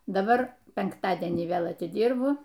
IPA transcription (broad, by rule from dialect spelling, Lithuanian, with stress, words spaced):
dɐˈbɐr pʲɛŋkˈtɑːdʲiɛnʲiː ˈʋʲeːlˠ ɐtʲɪˈdʲiːrbʊ